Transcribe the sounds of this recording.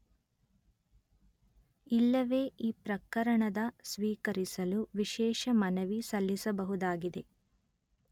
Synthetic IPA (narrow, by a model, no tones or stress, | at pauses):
ilːɐʋe̞ːʔiːpɾɐkɐɾɐɳɐd̪ɐsʋiːkɐɾisɐluʋiʃɛːʃɐmɐnɐʋisɐlːisɐbɐɦud̪aːɡid̪e̞